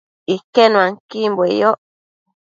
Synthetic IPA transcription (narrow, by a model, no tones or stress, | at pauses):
ikenũaŋkimbwejoʔ